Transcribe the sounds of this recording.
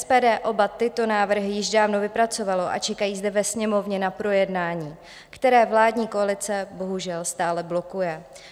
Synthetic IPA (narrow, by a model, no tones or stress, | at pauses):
ɛspɛːdɛːʔo̞bat̪ɪt̪o̞naːvr̩ɦɪjɪʒdaːvnovɪpɾat͡so̞valo̞ʔa̰t͡ʃɛkajiːzdɛvɛsɲɛmo̞vɲɛnapɾo̞jɛdnaːɲiː | kt̪ɛɾɛːvlaːdɲiːko̞alɪt͡sɛbo̞ɦuʒɛlst̪aːlɛblo̞kujɛ